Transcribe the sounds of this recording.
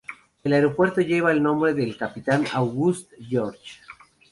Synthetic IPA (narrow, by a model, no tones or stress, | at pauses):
elaeɾo̞pwe̞ɾt̪o̞ʝe̞βaelnõ̞mbɾe̞ðelkapit̪anawɣust̪ʝoɾt͡ʃ